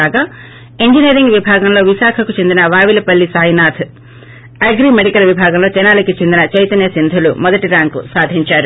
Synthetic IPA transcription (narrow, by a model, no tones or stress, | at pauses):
aːɡaː | eɲd͡ʒineːɾiŋɡʋibʱaːɡɐmlo̞ːʋiʃaːkʰɐkut͡ʃe̞nd̪inɐʋaːʋilɐpɐlːisaːjnaːt̪ʰ | ɐɡɾimeɽikɐlʋibʱaːɡɐmlo̞ːt͡ʃɛnaːlikit͡ʃe̞nd̪inɐt͡ʃɐjt̪ɐnjɐsind̪ʱulṵmɔd̪ɐʈiɾaːŋkusaːd̪ʱiɲt͡ʃaːɾu